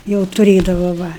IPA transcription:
jɛʊ tʊˈrʲeːdɐʋɐ ʋɐ

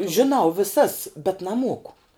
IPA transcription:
ʒʲɪˈnɐʊ ʋʲɪˈsɐs bʲɛt nɐˈmuɔkʊ

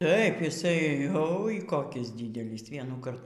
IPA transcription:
ˈtɐɪp jɪˈsɐɪ oːɪ koːˈkʲiːs ˈdʲiːdʲɛlʲiːs ʋʲiɛnuːˈkɐrt

